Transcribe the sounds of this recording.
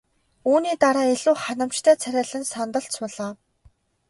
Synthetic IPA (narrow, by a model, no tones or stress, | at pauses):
uːniːt̪aɾaːeɮuːχanə̆mt͡ɕt̪ʰœːt͡sʰæɾʲæːɮə̆nsɔnt̪ə̆ɬt͡spɔɮaː